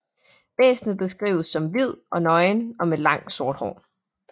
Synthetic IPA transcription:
ʋ̥ɛ̰ːsnð̩ˠb̥le̝sɡ̥ʁḭːʊsːɒ̽mʋið̞̰ˠɒ̽nɒ̽ɪnɒ̽melɑ̈ŋ̰d̥so̝ɐd̥hɒ̰ː

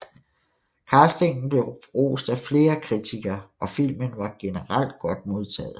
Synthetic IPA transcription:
kʰɑːsd̥e̝ŋn̩b̥le̝ʊʁo̰ːsd̥æfle̝ːɐkʰʁit͡sʰiɡ̥ɐːʔɒ̽fil̰mənʋɑ̈ɡ̥e̝nəʁal̰d̥̚ɡ̥ɒ̽d̥̚mo̝ð̞ˠt͡sʰɛ̰ːð̩ˠ

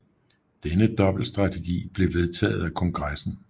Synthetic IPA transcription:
d̥enəd̥ɒ̽b̥l̩sd̥ʁɑ̈t͡sʰe̝ɡ̥ḭːb̥le̝ʋe̝ð̞ˠt͡sʰɛ̰ːð̞̩ˠækʰɒ̽ŋɡ̥ʁasn̩

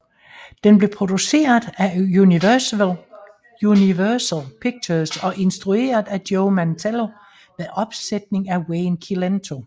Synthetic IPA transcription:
d̥enb̥le̝pʰʁo̝d̥use̝̰ːɐðˠæuniʋæɐsl | uniʋæɐsəlˠpʰiɡ̥̚t͡sʰəsɒ̽ʔe̝nsd̥ʁue̝̰ːɐð̩ˠæd̥joʊmænt͡sʰelo̝ | ʋeðˠɒ̽b̥sed̥ne̝ŋæweːnkʰilent͡sʰo̝

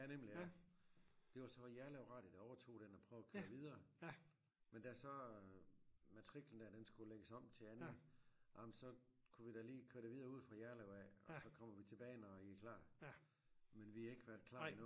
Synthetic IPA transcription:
ænem̰liæ | d̥e̝ʋɑ̈sɒ̽jæɐleʊʁɑ̈ːd̥id̥ɑ̈ɒʊɐt͡sʰo̝̰ːd̥enɒpʰʁœʊɐkʰøɐʋið̞ˠɐː | mend̥æsɒ̽ | mæt͡sʰʁiɡ̥ln̩d̥æɐ̰d̥ensɡ̥uleɡ̥əsɒ̽m̰t͡sʰe̝æn̩ʔɑ̈mnsɒ̽kʰuʋid̥æliːkʰø̰ɐɾ̥eʋiðˠɐːuð̰ˠfʁɑ̈jæɐleʊɛɒsɒ̽kʰɒ̽m̰ɐʋit͡sʰe̝b̥ɛːɪnɒikʰlɑ̰̈ː | menʋihɑ̈e̝ɡ̥əʋæɐd̥kʰlɑ̰̈inɔː

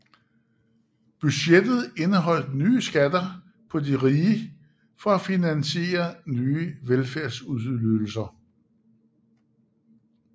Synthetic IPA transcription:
b̥yɕed̥ð̞̩ˠe̝nəɦɒ̽l̰d̥nyːsɡ̥æd̥ɐ | pʰɒ̽diʁiːə | fɒ̽æfinænɕe̝̰ːɐnyːəʋelfæɐsuðˠløl̩sɐ

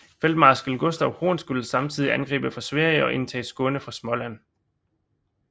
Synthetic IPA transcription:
feld̥mɑ̈ːsɡ̥əlɡ̥ɔsd̥æʊho̝ːnsɡ̥ulsɑ̈mt͡sʰið̞̰ˠiænɡ̥ʁḭːb̥əfʁɑ̈sʋæɐ̰jəɒ̽ʔe̝nt͡sʰɛ̰ːsɡ̥ɔ̽nəfʁɑ̈smɒ̽læn̰

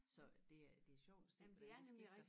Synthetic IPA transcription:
sɒ̽d̥e̝æd̥e̝æɕɒʊ̰d̥sd̥em̰b̥ifd̥

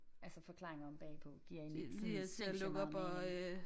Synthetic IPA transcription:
ælsɐfɒ̽kʰlɑ̈ːʁeŋɐɒ̽mb̥ɛ̰ːpʰɒ̽ɡ̥iɐ̰en̥sliselɔɡ̥ɐɒb̥ɒø

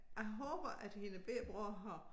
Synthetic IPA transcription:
jɑ̈ɪɦɔːb̥ɐʔæd̥he̝nəb̥eːb̥ʁoɦɑ

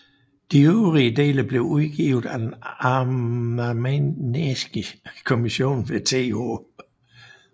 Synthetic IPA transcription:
d̥iøʊʁiəd̥e̝̰ːləb̥le̝ʊuð̞ˠɡ̥ḭʊð̩ˠæd̥enɑ | menesɡ̥əkʰo̝miɕo̝̰ːnʋet͡sʰḛːo̝̰ː

